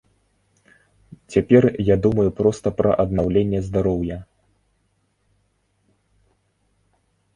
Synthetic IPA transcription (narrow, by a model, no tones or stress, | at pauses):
t͡sʲapʲɛrjad̪umɐjupɾɔst̪ɐpɾɐ̰ʔɐd̪nawlʲenʲːɛzd̪aɾɔwjɐ